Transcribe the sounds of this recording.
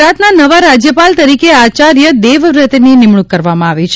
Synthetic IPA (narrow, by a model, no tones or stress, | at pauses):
at̪nanəʋaɾad͡ʒjəpalt̪əɾikeat͡ʃaɾjəd̪eʋɾət̪nenɪmɳukːəɾʋamãaʋit͡ʃʰ